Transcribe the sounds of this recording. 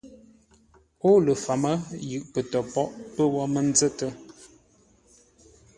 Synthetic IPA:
o˦lə˨fa˨mə˦jɯ˨ʔpə˨tɔ˨pɔ˦ʔpə˦wɔ˦mə˦n˦zə˦tə˦

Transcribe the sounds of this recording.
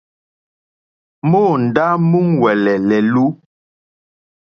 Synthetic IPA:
moː˦˨n̩˨da˦mu˦ŋwɛ˨lɛ˨lɛ˨lu˦

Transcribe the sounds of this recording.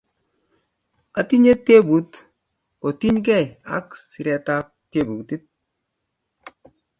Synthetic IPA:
a˨ti˦ɲe˦te˦bu˨˦t | ko˨ti˦ɲk̬ɛ˦˨ja̰˦ksi˨ɾɛ˨ta˦k̚te˦bu˨kti˦t̚

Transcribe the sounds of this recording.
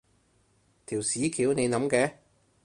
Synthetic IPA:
t̪ʰiː˨˩wsiː˨˥kʰiː˨˥wne˨˧jnɐ˨˥mkɛː˨˥

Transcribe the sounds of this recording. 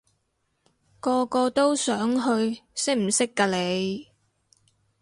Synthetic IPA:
kɔː˧kɔː˧t̪o˥wsœː˨˥ŋɦɵ˧ɥsɪ˥k̚m̩˨˩sɪ˥kːaː˧le˨˧j

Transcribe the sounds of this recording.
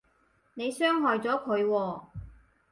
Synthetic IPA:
ne˨˧jsœː˥ŋɦɔː˨jt͡sɔː˨˥kʰɵ˨˧ɥwɔː˧

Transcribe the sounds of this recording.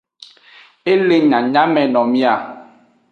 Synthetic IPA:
e˦le˨ɲã˨ɲã˦mɛ̃˨nɔ̃˨mĩ˦a˨

